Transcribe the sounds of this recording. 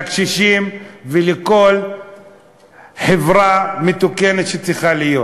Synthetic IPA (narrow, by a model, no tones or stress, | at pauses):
akʃiʃimveleko̞l | ħevʁamet̪uke̞net̪ʃet͡siχalijo̞t